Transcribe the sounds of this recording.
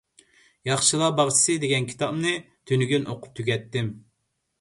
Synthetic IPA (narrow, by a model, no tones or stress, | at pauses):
jɑχʃɨlˠɑbɑʁt͡ʃʰi̥sɨd̪eɡʲɛnkʲʰi̥t̪ʰɑpnɨ | t̪ʰynyɡʲynʔoqʰʊ̥p̚t̪ʰyɡʲɛt̪ːɪm